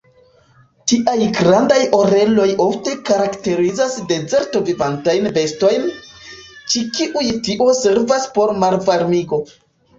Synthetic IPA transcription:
tiʔajɡɾandajo̞ɾe̞lo̞jo̞fte̞kaɾakte̞ɾizasde̞ze̞ɾto̞vivantajnve̞sto̞jn | t͡ʃikiʔujtiʔo̞se̞ɾvaspo̞ɾmaɾvaɾmiɡo̞

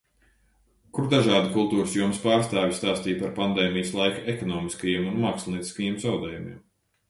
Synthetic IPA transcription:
kuɾd̪aʒaːd̪ikulˠt̪uːɾɨsjuɔmspaːɾst̪aːvʲist̪aːst̪iːpaɾpand̪eːmijəslˠajkaekɔnɔːmiskajiɛmunmaːkslˠʲniːt̪i̥skɐjiːmzawd̪ɛːjumḭːm

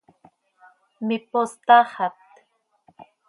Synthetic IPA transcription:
mipost̪ahat̪

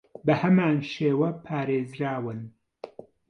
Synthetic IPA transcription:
bɐhɐmaːnʃeːwɐpʰaːɾeːzɾaːwɨn

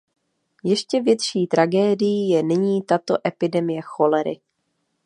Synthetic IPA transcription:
jɛʃcɛvjɛt̪ʃiːt̪ɾaɡɛːdɪjijɛnɪɲiːt̪at̪o̞ʔɛpɪdɛmɪjɛxo̞lɛɾɪ̰

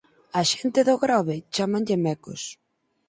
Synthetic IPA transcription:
aʃent̪ɪðʊɣɾɔβɪt͡ʃamanʎɪmɛkʊ̰s

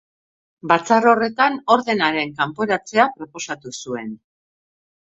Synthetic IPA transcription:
bat͡saro̞re̞t̪ano̞ɾðe̞naɾe̞ŋkampo̞ɾat͡se̞apɾo̞po̞sat̪usue̞n

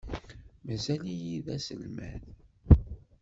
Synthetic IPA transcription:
mæzælijiðæsə̰lmæ̰n

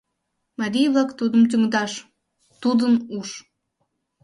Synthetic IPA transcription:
mɑɾʲijβlɑkt̪ud̪əmt̪̬yŋd̪ɑʃ | t̪ud̪ənuʃ

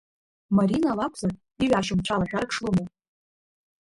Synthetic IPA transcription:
maɾinalakʷʰza | iɥᶣaʃɨmt͡ʃʷʰalaʒᶣarkʰʂluma

